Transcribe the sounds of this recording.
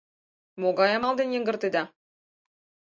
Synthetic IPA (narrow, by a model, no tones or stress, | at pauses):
moɡɑjɑmɑlˠd̪enjĕŋɡə̆rt̪ed̪ɑ